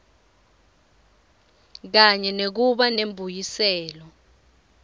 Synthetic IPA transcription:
k̬aɲɛnek̬uɓanembʱujisɛːlɔ

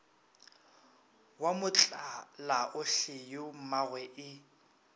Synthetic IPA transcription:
wamʊt͡ɬʼalaʔʊɬɪjʊmaɣwɛʔɪ

